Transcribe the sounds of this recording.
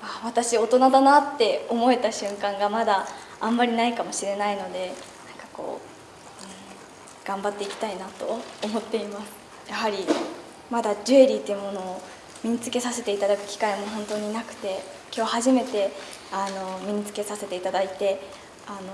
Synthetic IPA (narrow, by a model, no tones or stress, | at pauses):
aβat̪aɕio̞t̪o̞nad̪anat̪ːe̞o̞mo̞e̞t̪aɕɨ̃ŋkãŋɡamad̪a | ãmːaɾʲinaikamo̞ɕiɾe̞naino̞d̪e̞nãŋkḁko̞̰ː | ɯ̟̃ɴ | ɡ̥ãmbat̪ːe̞ikʲi̥t̪ainat̪o̞ːmo̞t̪ːe̞imasɨ̥ | jaɦaɾʲi | mad̪ad͡ʑɨeɾʲit̪ːejɯ̟mo̞no̞ː | mʲiɲ̟it͡sɨ̥ke̞sase̞t̪e̞it̪ad̪akɯ̟̥kʲi̥kaimo̞ɦõ̞nt̪o̞ːɲ̟inakɯ̟̥t̪e̞ | kʲo̞ːhaʑime̞t̪e̞ | ano̞mʲiɲ̟it͡sɨ̥ke̞sase̞t̪e̞it̪ad̪ait̪e̞ | ano